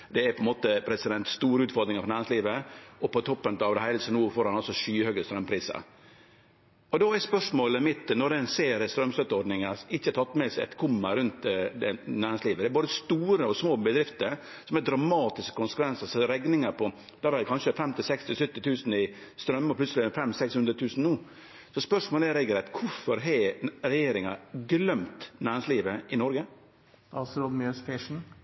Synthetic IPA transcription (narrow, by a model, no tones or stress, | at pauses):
d̪ɛæpʰɔɛnmoːt̪əpʰɾɛsɪd̪ɛnt̪st̪uːɾəʉːt̪fɔɾd̪ɾɪŋəfɔnæːɾɪŋsliːʋəɔpɔt̪ʰɔpːənt̪ɑʋd̪ɛhæɪləsɔnuːfoːɾɑnɔlsɔʂyːhøːɡəst̪ɾœmːpʰɾiːsə̰ɾ | ɔd̪oæspœʂmoːləmɪt̪ːnɔɾd̪ɛɛnseːɾəst̪ɾœmst̪œt̪ːəɔɾɖnɪŋəɪçːəɛt̪ʰɑt̪ːmɛsɛ̰t̪kʰʊmːəɾʉnt̪ɛnæːɾɪŋsliːʋəd̪ɛæɾboːd̪əst̪uːɾəɔsmoːbəd̪ɾɪft̪əɾ | sɔmɛd̪ɾɑmɑːt̪ɪskəkʊnsə̥kʰʋɛnsəsɔɾɛɡnɪŋəɾpʰɔ | d̪̥ɑːʋɛdkʰɑnʂəfɛmt̪ʰɪlsɛkst̪ɪlsʉt̪ːɪt̪ʰʉːsn̩ɪ | st̪ɾœmːɔpʰlʉtsəlɪfɛmsɛkshʉnd̪ɾət̪ʰʉːsn̩nuː | sɔspœʂmoːlɛɾɛɡlɛt̪kʰʊɾfɔɾɦɛɾɛjeːɾɪŋɑɡlœmt̪næːɾɛŋsliːʋəɪnɔɾɡə | ɑlsɔɾɔd̪møsfɪʂn̩